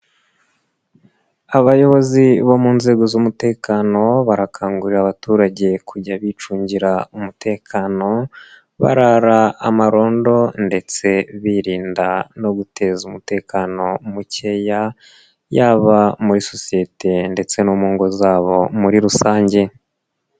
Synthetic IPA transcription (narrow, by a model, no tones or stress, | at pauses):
aβajo̞βo̞ziβo̞muːnze̞ːɡo̞zumute̞ːkano̞βaɾakʰaːŋɡuɾiɾaβatuːɾaɟe̞kʰuɟaβit͡ʃuːɲɟiɾaumutʰe̞ːkʰano̞ | βa̰ɾaɾaːmaɾo̞ːndo̞nde̞t͡se̞βiɾiːndano̞ɡutʰe̞zumute̞ːkʰano̞muce̞ja | jaːβamuɾiso̞sije̞tʰe̞nde̞t͡se̞nuːmuːŋɡo̞zaːβo̞muɾiɾusaːɲɟe̞